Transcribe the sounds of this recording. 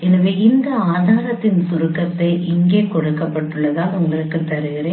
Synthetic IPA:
ɛnɐʋeːɪnd̪ɐaːðaːɾɐt̪ːɪnsʊɾɯkːɐt̪ːɐɪʔɪŋɡeːkɔɽɯkːɐpːɐʈːɯɭːɐðãːʊŋɡɐɭɪɾɯkːɯt̪ɐɾɯɣɪɾẽː

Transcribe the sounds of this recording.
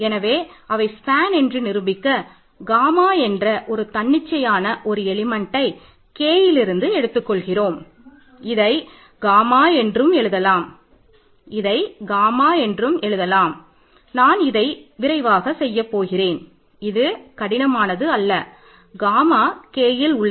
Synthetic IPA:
ɛnɐʋeːɐʋɐɪspaːnɛndrɯnɪɾɯbɪkːɐ | ɡaːmaːɛndrɐʔɔɾɯt̪ɐɳːɪt͡ʃːɐjaːnɐʔɔɾɯɛɭɪmɐɳʈɐɪ | keːjɪlɪɾɯnd̪ɯɛɽɯt̪ːɯkːɔɭɣɪroːm | ɪðɐɪ | ɡaːmaːɛndrɯmɛɭɯðɐlaːm | ɪðɐɪɡaːmaːɛndrɯmɛɻɯðɐlaːm | naːnɪðɐɪʋɪɾɐɪʋaːɣɐsɛjːɐpːoːɣɪreːn | ɪðɯkɐɽɪnɐmaːnɐðɯɐlːɐ | ɡaːmaːkeːjɪlʊɭː

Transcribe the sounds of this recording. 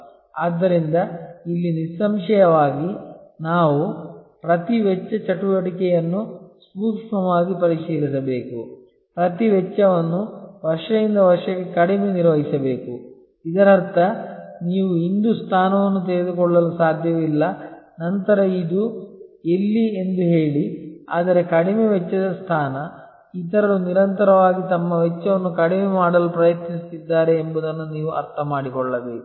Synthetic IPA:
aːd̪ːɐɾind̪ɐilːinisɐmʂɐjɐʋaːɡinaːʋupɾɐt̪iʋɛt͡ʃːɐt͡ʃɐʈuʋɐʈikɛjɐnːusmuːkʂɐmaːɡipɐɾiʂiːɾisɐbe̞ːku | pɾɐt̪iʋɛt͡ʃːɐʋɐnːuʋɐɾʂɐjind̪ɐʋɐɾʂɐɡekɐɽimeːniɾʋɐɦisɐbe̞ːku | id̪ɐɾɐɾt̪ʰɐniːʋuind̪ust̪ʰaːnɐʋɐnːut̪ɛɾed̪ukɔɭːɐlusaːd̪ʱjɐʋilːɐ | nɐnt̪ɐɾɐid̪uelːie̞nd̪uɦeːɭia̰ːd̪ɐɾe̞kɐɽimeʋɛt͡ʃːɐd̪ɐst̪ʰaːnɐ | it̪ɐɾɐluniɾɐnt̪ɐɾɐʋaːɡit̪ɐmːɐʋɛt͡ʃːɐʋɐnːukɐɽimemaːɽɐlupɾɐjɐt̪nist̪id̪ːaːɾeːmbud̪ɐnːuniːʋuɐ̰ɾt̪ʰɐmaːɽikɔɭːɐʋe

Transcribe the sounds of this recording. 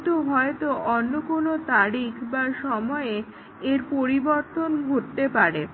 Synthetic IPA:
t̪oɦɔet̪oʔɔnːokonot̪aɾikʰbaʃɔmɔe | eɾpoɾiboɾt̪onɡʱoʈt̪epaɾe

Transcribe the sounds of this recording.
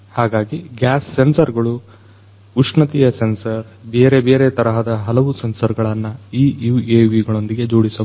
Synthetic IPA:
haːɡaːɡiɡjaːsːensɐɾɡɐɭu | uʂɳɐt̪ijɐsensɐɾ | beːɾebeːɾet̪ɐɾɐɦɐd̪ɐɦɐlɐʋusensɐɾɡɐɭɐnːɐiːjuːeːʋiɡɐɭo̞nd̪iɡe̞d͡ʒoːɽisɐ

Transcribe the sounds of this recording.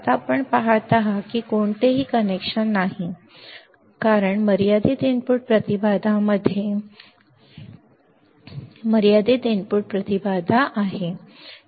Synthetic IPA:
at̪apəɳpaɦat̪aɦakiːkoɳt̪eɦiːkənekʂənːaɦi | kaɾəɳməɾjad̪ed̪enpuɽ̚pɾət̪ibad̪ʱaməd̪ʱːje | məɾijad̪id̪enpuʈ̚pɾət̪ibad̪ʱaʔaɦe

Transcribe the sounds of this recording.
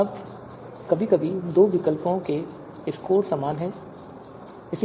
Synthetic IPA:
ɐb | kɐbʱikɐbʱid̪oːʋɪkəlpõke | ɪskoːɾsamaːnɦɛ̃ː | ɪs

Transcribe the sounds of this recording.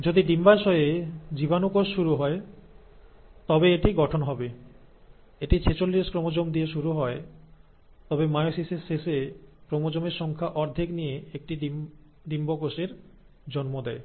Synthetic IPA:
d͡ʑod̪iɖimbaɾʃɔed͡ʑibanokoʃːuɾuɦɔe | t̪ɔbeeʈiɡɔʈʰonɦɔbe | eʈit͡ɕʰet͡ɕolːiʃkɾomod͡ʑomd̪ieʃuɾuɦɔe | t̪ɔbemajosisesːesekɾomod͡ʑomeɾʃɔŋkʰaʔɔɾd̪ʱiknijeek̚ʈiɖ | ɖimbok̬oʃeɾ | d͡ʑɔnmod̪ɛe

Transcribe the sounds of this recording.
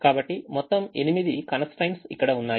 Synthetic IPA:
kaːbɐʈːimɔt̪ːɐme̞nimid̪ikɐnɐsʈɐjnsḭkːɐɽɐunːaː

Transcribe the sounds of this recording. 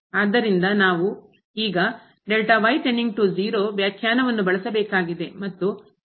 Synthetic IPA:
aːd̪ːɐɾind̪ɐnaːʋu | iːɡɐ | ɖelʈaʋɐjʈenːiŋɡ̚ʈud͡ʒiːɾoːʋjaːkʰjaːnɐʋɐnːubɐɭɐsɐbɛːkaːɡid̪e̞mɐt̪ːu

